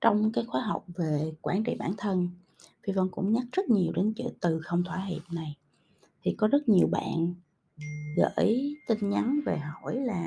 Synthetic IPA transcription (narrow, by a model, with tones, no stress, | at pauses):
t͡ɕɔ˧wŋ͡mkaː˨˦jxwaː˨˦ɦa˨˩wk͡p̚ve˨˩kwaː˧˩nt͡ɕḭ˧˨ɓaː˧˩nt̪ʰə˧n | fi˧və˧nkʊ̰˧˥ŋ͡mɲa˦˥k̚z̥ə˦˥t̚ɲi˨˩əwɗe˨˦nt͡ɕɨ̰˧˥t̪ɨ˨˩xə˧wŋ͡mt̪ʰwaː˧˩ɦḭ˧˨p̚na˨˩j | t̪ʰi˨˩kɔ˨˦zə˦˥t̚ɲi˨˩əwɓa̰ː˧˨n | ɣə̰ː˧˥jt̪ï˧ŋ̟ɲa˨˦nve˨˩ɦo˧˩˨jlaː˨˩